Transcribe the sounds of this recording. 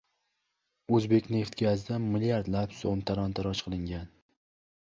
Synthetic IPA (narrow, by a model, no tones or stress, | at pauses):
ɵzbe̞kʲne̞ft̪ɡʲazd̪anmɪlijaɾd̪lapso̰mt̪ʰaɾɒnt̪ʰaɾɒt͡ʃqʰɨlˠɪŋɡʲan